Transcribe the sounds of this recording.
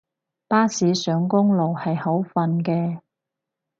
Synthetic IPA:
paː˥siː˨˧sœː˨˧ŋkʊ˥ŋlo˨˩whɐ˨jho˨˥wfɐ˨˧nkɛː˧

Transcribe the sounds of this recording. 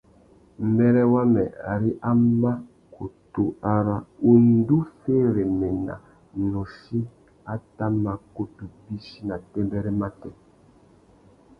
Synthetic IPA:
mɛ˦ɾɛ˦wa˦mɛ˨a̰˨ɾi˦ʔa˦ma˦ | ko˨tu˦a˦ɾa˦u˦n̩˦du˦feː˦ɾe˨mɛ˨na̰˨ | nɔ˨ʃi˦ | a˦ta˦ma˨ko˦tu˨bi˦ʃi˦na˨tɛ˦mbɛ˦ɾɛ˦ma˦tɛ˨

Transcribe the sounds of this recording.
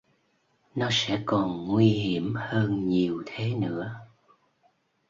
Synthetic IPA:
nɔ˨˦sɛ̰˧˥kɔ˨˩nŋwi˧hi˧˩əmhəː˧nɲi˨˩əwt̪ʰe˨˦nɨ̰˧˥ə

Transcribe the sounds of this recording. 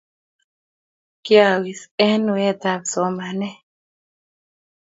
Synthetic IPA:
kja˨wi˨se˦n˨we˦t̪a˨bso˨ma˨nɛ˦

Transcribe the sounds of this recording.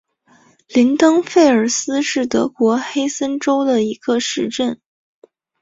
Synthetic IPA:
li˧˥nt̪ɤ˥ŋfe˥˩ɪə˞˨˩sɹ̩˥ʂɻ̩˥˩t̪ɤ˧˥kwɔ˧˥xe˥ɪsə˥nʈ͡ʂo˥ʊd̪ə˨i˧˥ɡ̥ə˧ʂɻ̩˥˧ʈ͡ʂə˥˩n

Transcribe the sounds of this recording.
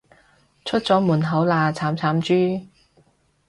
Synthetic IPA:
t͡ʃʰɵ˥t̚t͡sɔː˨˥muː˨˩nɦɐ˨˥wlaː˨˧t͡sʰaː˨˥mt͡sʰaː˨˥mt͡ʃyː˥

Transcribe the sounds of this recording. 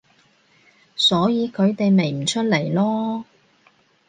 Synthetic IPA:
sɔː˨˥jiː˨˧kʰɵ˨˧ɥt̪e˨jme˨˩jm̩˨˩t͡ʃʰɵ˥t̚le˨˩jlɔː˥

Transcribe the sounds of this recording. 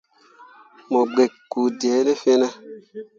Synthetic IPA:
mo˨ɡ͡be˨kkːu˨dɛ˨˦ne˦fe˦na˦

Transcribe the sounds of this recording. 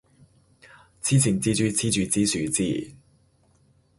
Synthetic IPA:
t͡sʰiː˥t͡sʰi˨˩nt͡siː˥t͡ʃyː˨˧t͡sʰiː˥t͡syː˨˧t͡siː˥syː˨˧t͡siː˥˩

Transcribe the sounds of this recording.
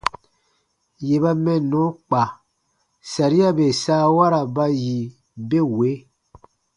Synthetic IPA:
je˨ba˦mɛ̃˦nɔ̃˨˦k͡pa˨ | sa˨ɾi˦a˦be˨saː˦wa˦ɾa˨ba˦ji˨ | be˦we˨˦

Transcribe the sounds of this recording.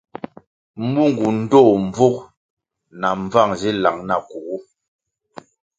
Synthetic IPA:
m̩˦bu˦ŋ˨ɡu˨n̩˦dɔː˦˨m˦b͡vu˦k | na˨ɱ˦va˦˨ŋzi˦la˨ŋna˨ku˨ɣu˦

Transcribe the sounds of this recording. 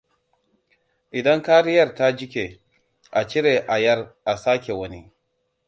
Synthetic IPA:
ʔɪ˨dɐ˦ŋkaː˦ɾɪ˦jɐ˦rta˦d͡ʒɪ˦kʲe˨ | ʔa˨t͡ʃɪ˦ɾeː˨ʔa˨jɐ˦rʔa˨saː˦kʲe˨wɐ˦ni˦

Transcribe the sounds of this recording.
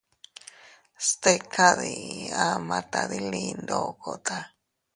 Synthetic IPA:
st̪e˦kʰa˦ði˧ã˦mã˧t̪a˧ði˦li˧nd̪o˦˨ko˨t̪a˧

